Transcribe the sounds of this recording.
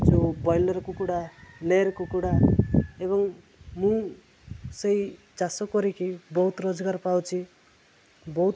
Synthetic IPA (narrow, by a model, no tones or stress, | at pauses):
d͡zobʌjlʌɾkokuɽaleɾkokuɽaebʌŋ | mũ | sʌj | d͡zasokʌɾikʰibʌɦut̪rod͡zɡaɾpawt͡sʰi | bʌut̪